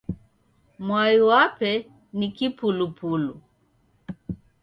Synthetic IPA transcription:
mwajuwapɛ | nikipulupulu

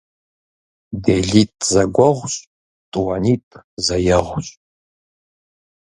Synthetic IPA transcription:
deɮitʼzɐɡʷɔʁʷɕʼ | tʼwɐnitʼzɐjɛʁʷɕʼ

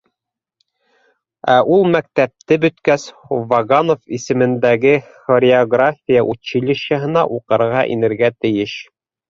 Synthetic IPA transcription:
æʔulˠmæk̚t̪æp̚t̪ɘbɵ̆t̪kæs | vɐɡanofisɘ̆mɘ̆nd̪æɡɘ | χoɾʲɪoɡrafʲijaʔut̪ɕilʲɘ̆ɕæɦɤ̆nɑʔuqɤ̆ɾʁɑʔḭnɘ̆ɾɡæt̪ɘ̆jɘʃ

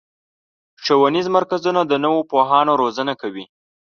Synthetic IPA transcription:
ʂawanizmaɾkazunad̪ənəwopoɦɑnoɾozənakawi

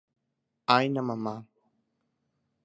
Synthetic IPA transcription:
ajnamamaː

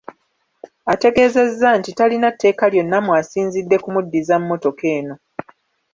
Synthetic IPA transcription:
ate̞ɡe̞ːze̞zːantitalinatːe̞ːkaljo̞nːamwasiːnzidːe̞kumudːizammːo̞to̞ke̞ːno̞

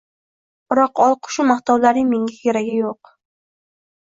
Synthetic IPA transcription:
b̥ɪɾɒqɒlˠqʰʊ̥ʃʊmaht̪awlaɾɪŋmeŋʲakʰʲeɾaɡʲɪjoq

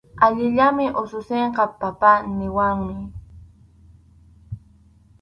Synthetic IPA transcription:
aʎɪʎamɪʔosʊseɴqɑpapanɪwaŋmɪ

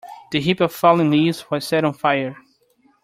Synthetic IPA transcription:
ð̥ɨɦipʌv̥fɔlˠɪ̃ŋlizwʌz̥sɛɾɔ̃n̩fajə˞

